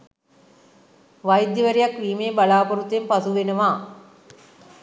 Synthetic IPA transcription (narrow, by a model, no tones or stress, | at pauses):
ʋajd̪jəʋəɾijakʋiːmeːbalaːpɐɾut̪empasuʋenəʋaː